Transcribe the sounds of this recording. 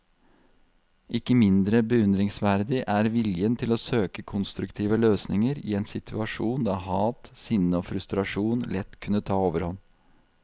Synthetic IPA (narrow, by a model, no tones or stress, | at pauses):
ʔɪkːəmɪnd̪ɾəbəʉnd̪ɾɪŋsʋæɾd̪ɪʔæɾʋɪljənt̪ʰɪloːsøːkəkʰʊnst̪ɾʉkt̪ʰiːʋəløːsnɪŋəɾḭːɛːnsɪt̪ʰʉɑʂuːnd̪ɑːhɑːt̪sɪnːəoːfɾʉst̪ɾɑʂuːnlɛt̪ːkʰʉnːət̪ʰɑːoːʋəɾhɔn